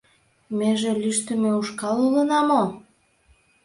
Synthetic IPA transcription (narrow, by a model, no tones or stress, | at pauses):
meʒelyʃt̪ə̆meuʃkɑlulənɑmo